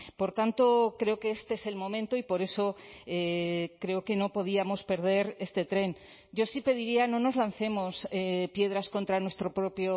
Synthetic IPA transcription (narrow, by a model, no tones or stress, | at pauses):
po̞ɾt̪ant̪o̞kɾeoke̞est̪eese̞lmõ̞mẽ̞nt̪oipo̞ɾe̞so̞ekɾe̞oke̞no̞po̞ðiamo̞spe̞ɾð̞e̞ɾe̞st̪e̞t̪ɾe̞n | ɟ͡ʝo̞sipe̞ð̞iɾianõ̞no̞zlan̟θe̞mo̞sepje̞ð̞ɾasko̞nt̪ɾanwe̞st̪ɾo̞pɾo̞pjo